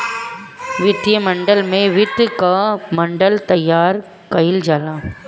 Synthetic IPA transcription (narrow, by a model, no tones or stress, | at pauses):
ʋɪt̪jɐmɐɳɖɐlmẽʋɪt̪ːkamɐɳɖɐlt̪ɐjːaːɾ | kɐjɪld͡ʒaːlãː